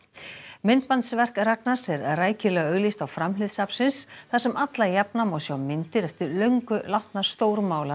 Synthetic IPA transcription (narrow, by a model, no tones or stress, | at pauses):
mɪnt̪̚pant̪svɛr̥kraknasɛɾraːjcɪlɛɣœɣlist̪awfɾamlɪðsapsɪnsθḁsɛmʔat̪lajɛpnamɔsjawmɪnt̪ɪɾɛft̪ɪɾlœɥŋkʏlawht̪nḁst̪oːwɾmaːwla